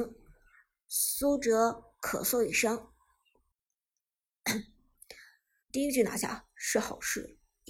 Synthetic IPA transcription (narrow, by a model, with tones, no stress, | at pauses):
ŋ | su˥ʈ͡ʂɤ˧˥ | kʰɤ̰˨˩swɔ˥˩i˥˩ʂɤ˥ŋ | t̪i˥˩i˥ə˧t͡ɕy˥˩na̰˨˧˥ɕja̰˥˩ʂɻ̩˥˩xɑ˨˩ʊʂɻ̩˥˩